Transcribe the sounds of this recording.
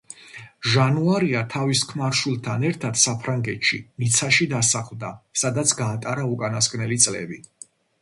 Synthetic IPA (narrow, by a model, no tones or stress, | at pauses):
ʒanuaɾiat̪ʰaviskʰmaɾʃulˠt̪ʰanɛɾt̪ʰad̪̥sapʰɾaŋɡɛt̪ʃḭmit̪sʰaʃid̪asaχlˠd̪asad̪at̪sʰɡaːt̪ʼaɾaukʼanaskʼnɛlit̪sʼlɛ̰bi